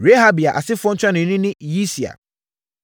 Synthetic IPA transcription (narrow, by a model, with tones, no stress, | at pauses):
ɾe˦ɦa˦bi˨a˨ʔa̰˨sɪ˦fʊ˦ɔ̃˦n̩˦t͡ɕʰᶣã˦nɪ̃˨˦nĩ˦nɪ̃˦ji˦si˨a̰˨